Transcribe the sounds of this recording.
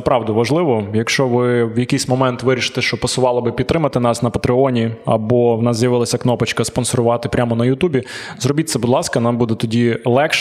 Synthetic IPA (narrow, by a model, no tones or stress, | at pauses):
ɐpɾɑwd̪ɐʋɐʒlˠɪʋɔjɐkʃt͡ʃɔʋɪʋjɐkɪjsʲmɔmɛnt̪ʋɪɾʲiʃɪ̥t̪ɛʃt͡ʃɔpɐsʊʋɑlˠɐbɪpʲid̪t̪ɾɪmɐt̪ɪnɑsnɐpɐt̪ɾɪɔnʲiɐ̰bɔwnɑszjɐʋɪlˠɐsʲɐknɔpɐt͡ʃkɐspɔnsɔɾʊʋɑt̪ɪpɾʲʔamɔnɐjʊt̪ubʲizrɔbʲit̪̚ʲsɛbʊd̪lˠɑskɐnɑmbud̪ɛt̪ɔdʲilˠɛkʃ